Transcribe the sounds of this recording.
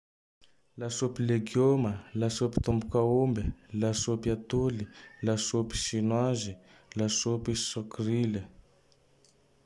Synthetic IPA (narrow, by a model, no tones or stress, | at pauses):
lasopileɡjoməlasopi̥t̪umbukaumbelasopiat̪ulilasopi̥ʃinwazi | lasopisɔkrilə